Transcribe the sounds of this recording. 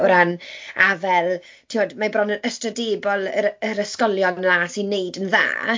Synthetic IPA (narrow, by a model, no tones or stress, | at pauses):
ɾanavɛlˠ | tʰimoːdmabrɔnənəstrədeːbɔlˠəɾəɾəskɔlˠjɔnasinːejdənða̰ː